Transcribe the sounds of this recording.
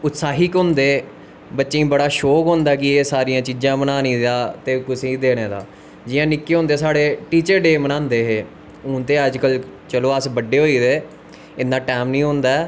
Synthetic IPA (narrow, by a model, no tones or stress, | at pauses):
ʊt̪saːɦiːkɦʊ̃ːnd̪eː | bətːʃẽĩːbəɽaːʃɔːkɦõːnd̪aːkɪeːsaːɾijãːt͡ʃiːd͡ʒãːmənaːnĩːd̪aːt̪eːkʊsẽd̪eːɽ̃eːd̪a̰ː | d͡ʒɪjãːnɪkːeːɦʊ̃nd̪eːsaːɽeːʈiːt͡ʃəɾɖeːmənãːnd̪eːɦeː | ʊ̃ːnt̪eːəd͡ʒkəlt͡ʃəloːəsbəɖeːɦoːiːd̪eː | ɪnd̪aːʈɛːmnĩːɦõːnd̪aː